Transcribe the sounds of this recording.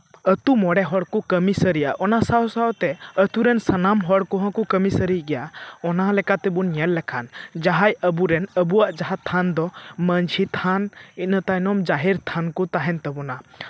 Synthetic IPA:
ət̪umɔɽɛɦɔɽkukəmisəɾija̰ʔɔnasawsawt̪ɛət̪uɾɛnsanamɦɔɽkɔɦɔ̃kukəmisəɾiɡɛjaɔnalɛkat̪ɛbunɲɛlːɛkʰand͡ʒaɦajəbuɾɛnəbuwaʔd͡ʒaɦat̪ʰand̪ɔməɲt͡ʃʰit̪ʰanit̪̚ˀnət̪ajnɔmd͡ʒaɦiɾt̪ʰankɔt̪aɦɛnt̪əbɔna

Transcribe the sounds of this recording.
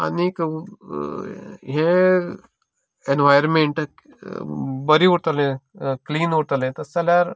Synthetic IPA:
ɐ̰nik | ɦẽ | enʋajəɾmẽɳʈ | bɐɾiut̪ɐlẽkliːnuɾt̪ɐlẽt̪ɐsɐlaɾ

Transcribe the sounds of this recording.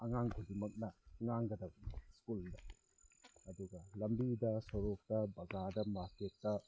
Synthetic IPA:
ɐŋaŋɡudimɐk̚nɐŋaŋɡɐdɐbskuldɐ | ɐduɡɐlɐmbidɐsɐɾok̚tɐbɐɡadɐmaɾketːɐ

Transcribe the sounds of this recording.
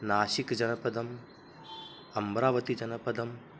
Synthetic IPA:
naːʃikd͡ʒɐnɐpɐd̪ɐm | ɐmbɾaːʋɐt̪id͡ʒɐnɐpɐd̪ɐm

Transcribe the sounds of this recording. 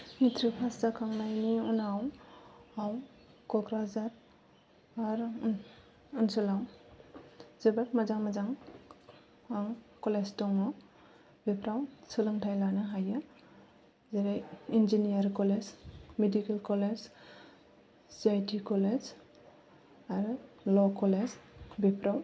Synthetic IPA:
mitʰɾipʰastakʰaŋnajniunaw | aw | kɔkɾazaɾ | aɾ | unsɔlaw | zebaɾmazaŋmazaŋ | aŋkɔleztɔŋɔ | bepʰɾawsɯlɯŋtʰajlanaɦajɯ | zeɾajind͡ʒinijaɾkɔlezmedikelkɔled͡ʒ | zajtikɔled͡ʒ | aɾ | lɔkɔlezbepʰɾaw

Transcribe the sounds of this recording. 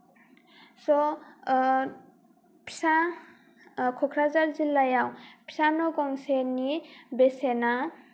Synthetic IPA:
sɔ | pʰi̥sa | kʰɔkʰɾazaɾzilːajawpʰi̥sanɔkɔŋsenibesena

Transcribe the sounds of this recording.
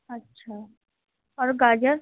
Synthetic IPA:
ətːɕʰa | ɔɾɡad͡ʒəɾ

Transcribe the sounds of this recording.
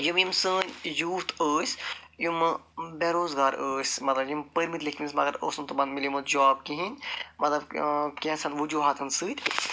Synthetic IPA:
jimjimsəːnʲjuːt̪ʰəːsʲ | jumbeɾoːzɡaːɾəːsʲmɐt̪lɐbjimpəɾmit̪likʰimʲismɐɡɐɾo̰ːsunt̪ubɐnmilimod͡ʒɔːb̚kiɦinʲmɐt̪lɐbkẽːsɐnʋud͡ʒuːɦaːt̪ʰɐnsɨːt̪ʲ

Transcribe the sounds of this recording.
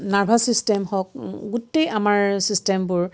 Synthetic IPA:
naɹbʱasistɛmhɔkɡutejamaɹsistɛmbʊɹ

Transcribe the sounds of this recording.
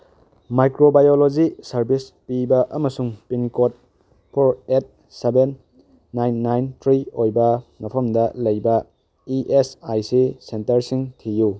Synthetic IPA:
majkɾobajolod͡ʒisɐɾbispibɐʔɐmɐsuŋpinkot̚ | pʰoɾet̚ | sebenː | ajnːajntʰɾiojbɐmɐpʰɐmdɐlɐjbɐ | iʔesajsisentɐɾsiŋtʰiju

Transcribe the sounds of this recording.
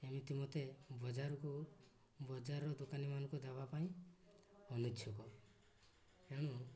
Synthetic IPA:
emit̪imot̪ebɔd͡ʒaɾɔku | bɔd͡ʒaɾɔd̪ukanimanɔ̃ŋkudabapaĩ | ɔnut͡ʃʰɔkɔ | eɽ̃u

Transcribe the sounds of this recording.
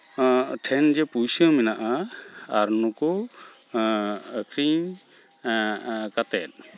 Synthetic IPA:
ʈʰɛnd͡ʒɛpujsɔminaʔaaɾnɔkɔ | kʰɾiɲ | kat̪ɛt̪̚

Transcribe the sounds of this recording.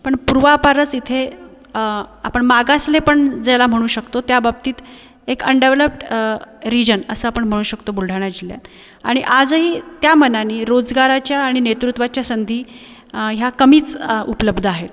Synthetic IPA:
pəɳpuɾʋapaɾət͡sit̪ʰe | apəɳmaɡaslepəɳd͡zelam̤əɽ̃ũːɕəkt̪ot̪jabab̚t̪iːt̪ | ekə̰ɳɖeʋləpʈɾid͡ʑənəsəapəɳm̤əɽ̃uːɕəkt̪obulɖʱaɳ̃jad͡ʑilja̰t | a̰ɽ̃iʔad͡zɦiːt̪jamənaniːɾod͡zɡaɾat͡ɕjaːɽ̃inet̪ɾut̪ʋat͡ɕjasənd̪ʱiː | ɦjakəmiːt͡supələbd̪ʱəaɦet̪

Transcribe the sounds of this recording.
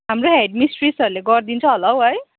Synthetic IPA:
ɦamroɦeɖmisʈrisʌɾuleɡʌrd̪int͡sʰʌɦʌlʌwɦʌj

